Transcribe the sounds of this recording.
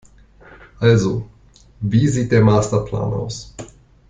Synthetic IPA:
ʔalzo | viːzit̪ɛmaːst̪apʰla̰ːna̰ws

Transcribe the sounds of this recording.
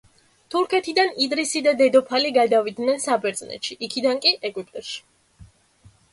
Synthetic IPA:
t̪ʰuɾkʰɛt̪ʰid̪anid̪ɾisid̪ad̪ɛd̪ɔpʰaliɡad̪avid̪nɛnsabɛɾd̪znɛ̰t̪ʃiʔikʰid̪ankʼiʔɛɡʼwipʼt̪ʼɔʃi̥

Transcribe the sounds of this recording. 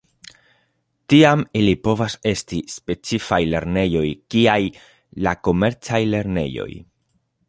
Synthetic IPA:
tiamilipo̞vase̞stispe̞t͡sifajle̞ɾne̞jo̞jkiaj | lako̞me̞ɾt͡sajle̞ɾne̞̰jo̞̰j

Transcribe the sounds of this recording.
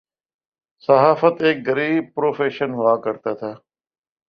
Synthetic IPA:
səɦaːfət̪eːk̚ɡəɾiːb̚pɾoːfeːʃənɦʊaːkəɾt̪aːt̪ʰaː

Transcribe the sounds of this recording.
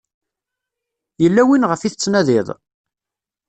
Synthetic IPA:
jəlːæwinʁəfiθət͡sːnæðɪðˤ

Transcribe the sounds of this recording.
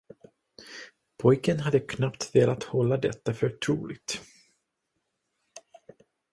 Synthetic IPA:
pʰɔjkənɦad̪ːəkʰnapt̪veːlat̪hɔlːad̪ɛt̪ːafœɾʈʰɾuːlɪɡ̚t̪

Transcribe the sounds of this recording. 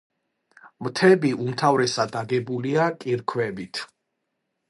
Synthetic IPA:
mt̪ʰɛbiʔumt̪ʰavɾɛsad̪aɡɛbuliakʼiɾkʰwɛbit̪ʰ

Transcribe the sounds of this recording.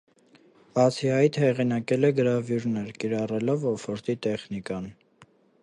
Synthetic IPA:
b̥ɑt͡sʰiɦɑjt̪ʰhɛʁinɑkɛlɛɡəɾɑvjuɾnɛɾkiɾɑrɛlɔvɔfɔɾt̪it̪ɛχnikɑn

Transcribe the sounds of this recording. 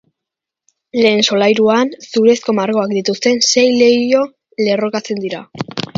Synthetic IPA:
le̞ːnso̞lajɾuansuɾe̞sko̞maɾɣo̞akd̪it̪ust̪e̞nse̞jle̞jo̞ | le̞ro̞kat͡se̞nd̪iɾa̰

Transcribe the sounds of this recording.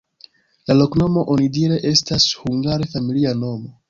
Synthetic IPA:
lalo̞kno̞mo̞ʔo̞nidiɾe̞ʔe̞stashuŋɡaɾefamiliano̞mo̞

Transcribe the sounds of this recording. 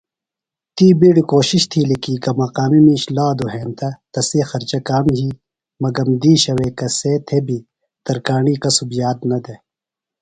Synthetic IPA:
t̪iːbiɽkoːɕiɕt̪ʰiːlikiːɡɐmɐqaːmimiːɕlaːd̪oɦeːnt̪ʰɐt̪ɐseːxɐɾt͡ɕɐkaːmɦiː | mɐɡɐmd̪iːɕɐweːkɐseːt̪ʰebi | t̪ɐɾkaːɳiːkɐsubjaːd̪nɐd̪e

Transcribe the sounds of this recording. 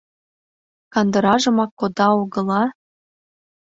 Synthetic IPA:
kɑnd̪əɾɑʒə̆mɑkːod̪ɑoɣɤ̆lɑ

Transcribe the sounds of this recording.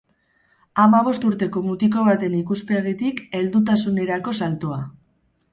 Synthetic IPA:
amaβ̞o̞st̪uɾt̪e̞ko̞mut̪iko̞β̞at̪e̞nikuspe̞ɣit̪ike̞ld̪ut̪̬asune̞ɾako̞salt̪oa

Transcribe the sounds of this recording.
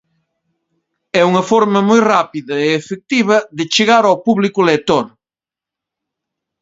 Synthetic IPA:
ɛuŋɐfoɾmɐmojrapiðɐeːfek̚t̪iβɐðɪt͡ʃeɣaɾawpuβlikʊlet̪oɾ

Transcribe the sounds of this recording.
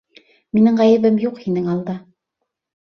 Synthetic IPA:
minɘŋʁæjɘ̆βɘmjuqhinɘŋɑlˠd̪ɑ

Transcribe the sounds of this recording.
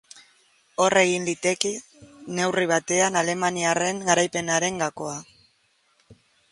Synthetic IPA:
o̞rʔe̞ɣinlit̪e̞ki | ne̞wriβ̞at̪e̞anale̞maniare̞ŋɡaɾajpe̞naɾe̞ŋɡako̞a

